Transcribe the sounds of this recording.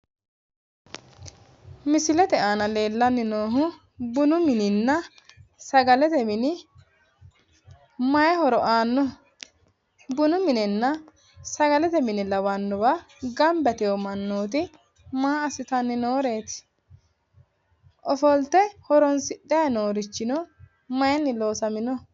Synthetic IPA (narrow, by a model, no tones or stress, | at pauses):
mɪsɪlɛt̪ɛaːnɐle̞ːlːɐnːɪnoːɦʊ | bʊnʊmɪnɪnːɐ | sɐɡɐlɛt̪ɛmɪnɪ | mɐjɛhɔɾɔʔaːnːɔ | bʊnʊmɪnɪnːɐ | sɐɡɐlɛt̪ɛmɪnɪlɐwɐnːɔbɐ | ɡɐmbɛt̪ɛjɔmɐnːoːt̪̬ɪ | maːɐsɪt̪ɐnːɪnoːɾe̞ːt̪ | ʔɔfɔlt̪ɛhɔɾɔnsɪɗːɛjɐno̞ːɾɪt͡ʃːɪnɔ | mɐjɛnːɪlo̞ːsɐmɪnɔ